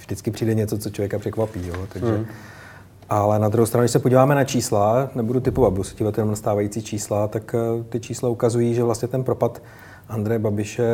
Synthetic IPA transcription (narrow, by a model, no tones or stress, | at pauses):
vʒdɪt͡skɪpr̝̥iːdɛɲɛt͡sot͡sot͡ʃlovjɛkapr̥ɛkvapiːjoːt̪aɡʒɛ | ʔalɛnad̪ɾuhɦowst̪ɾanudɪʃsɛpoɟiːvaːmɛnat͡ʃiːslanɛbudut̪ɪpovat̪̚busciːvat̪jɛnomnast̪aːvajit͡siːt͡ʃiːslat̪akt̪ɪt͡ʃiːslaukazujiːʒɛvlast̪ɲɛt̪ɛnpɾo̞pat̪ | ʔand̪ɾɛjɛbabɪʃɛ